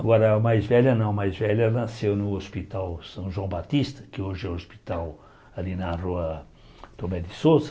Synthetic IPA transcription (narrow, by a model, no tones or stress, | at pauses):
aɡɔɾɐmajzvɛʎɐnɐ̃w̃ɐmajzvɛʎɐnɐsewnʊospit̪awsɐ̃w̃ʒwɐ̃w̃bat̪ist̪ɐ̥kɪoʒɪɛospi̥t̪aw | alinɐroɐ | t̪obɛd̪ɪsozɐ